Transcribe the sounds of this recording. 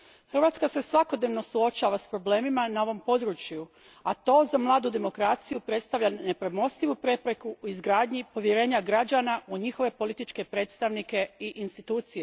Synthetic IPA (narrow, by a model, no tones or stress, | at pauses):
xɾr̩ʋaːt̪skase̞sʋako̞d̪neʋno̞suo̞t͡ʃaːʋaspɾo̞ble̞ːmimanao̞ʋo̞mpo̞d̪ɾut͡ɕju | at̪o̞zamlˠaːd̪ud̪e̞mo̞kɾat̪sijupɾe̞t̪st̪aʋʎʲane̞pɾemo̞st̪iʋupɾe̞pɾe̞kuuizɡɾaːd̪ɲipo̞ʋjeɾe̞ːɲaɡɾad͡ʑanaʔuɲixo̞ʋe̞po̞lit̪it͡ʃke̞pɾe̞ːt̪st̪aʋnike̞iʔinst̪it̪uːt̪sije̞